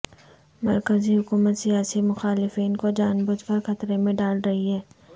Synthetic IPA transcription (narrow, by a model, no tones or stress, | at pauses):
mɐɾkəziɦʊkuːmət̪sijaːsimʊxaːlɪfiːnkod͡ʒaːnbʊd͡ʒpɐɾxɐt̪ɾemẽɖaːlɾɐɦiɦɛː